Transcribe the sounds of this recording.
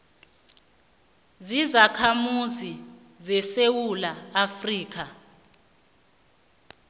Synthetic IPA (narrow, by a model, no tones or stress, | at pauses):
zizakʰamuzi | zɛsewulaːfriːk̬a